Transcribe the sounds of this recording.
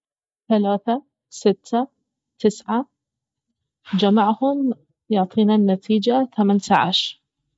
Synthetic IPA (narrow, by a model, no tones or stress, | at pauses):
θalaːθa | sɪt̪ʰːa | t̪ɪsʕa | d͡ʒamaʕhʊm | jʊʕt̪ˤʰiːnanːat̪ʰiːd͡ʒaθamant̪aʕa̰ʃɾ